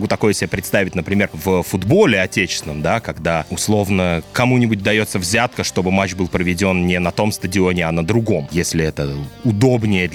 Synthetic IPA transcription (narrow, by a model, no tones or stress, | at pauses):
ɡut̪ɐko̞jəsʲɪbʲepɾʲɪt̪st̪avʲɪtʲnəpɾʲɪmʲervəfʊd̪bo̞lʲɪɐtʲet͡ɕɪ̥sʲɪnəmd̪akɐɡd̪aʊslˠo̞vnəkɐmunʲɪbʊt̚ʲd̪ɐjo̞t̪səvzʲat̪̚kəʂt̪o̞bɨmat͡ɕbɨlˠpɾəvʲɪdʲo̞nnʲɪnɐt̪o̞mst̪ədʲɪo̞nʲɪɐnəd̪ɾʊɡo̞mjesʲlʲɪɛt̪əʊd̪o̞bnʲɪjə